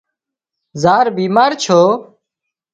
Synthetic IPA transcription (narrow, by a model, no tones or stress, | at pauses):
zaːɾbiːmaːɾt͡ʃʰoː